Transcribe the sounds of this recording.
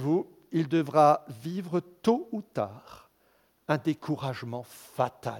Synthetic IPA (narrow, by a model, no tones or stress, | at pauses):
vu | ild̪əvʁavivʁət̪out̪a̰ːʁ | ɛ̃d̪ekʰuʁaʒmɑ̃fat̪a̰